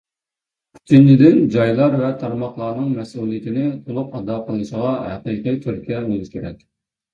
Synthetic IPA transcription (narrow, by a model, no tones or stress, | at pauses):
kʲʰy̥t͡ʃ̪ʰint͡ʃid̪ɪnd͡ʒɑjlˠɑɾvɛt̪ʰɑɾmɑχlˠɑɾnɨŋmɛsulˠijɪt̪ʰɪnɪt̪ʰolˠupɑd̪ɑqʰəlˠnɨʃəʁɑɦæ̰qiːqijt̪ʰyɾkʲijɛbolˠuʃkʲʰeɾɛ̰kʲ